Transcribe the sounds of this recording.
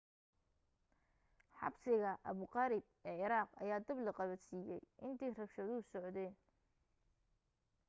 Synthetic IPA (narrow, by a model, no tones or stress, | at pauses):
ħɑ̰bsɪɣɐʔɐβʊqɑɾɪb̚ | ɛːʕɪɾaːqɐ̰jaːd̪ɐblɐqɑβɐsiːjɛjʔɪnt̪ʰɛjrɐkʃɐðʊʊsɔʕd̪ɛːn